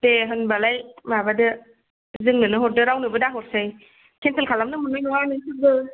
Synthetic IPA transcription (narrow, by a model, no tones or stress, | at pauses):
teɦənbalajmabadɯ | zɯŋnɯnɯɦot̚dɯɾawnɯbɯdaɦot̚sɯj | kʰent̪ʰɯkʰalamnɯmunajnɔanɯnsʰɯbɯ